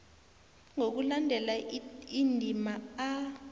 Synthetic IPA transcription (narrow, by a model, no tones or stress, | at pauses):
ŋok̬ulandʱɛlaindʱimaa